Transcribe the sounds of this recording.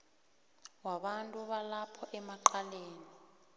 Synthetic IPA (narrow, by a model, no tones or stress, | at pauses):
waɓantʼuɓalapʰɔʔɛmaǃaleːni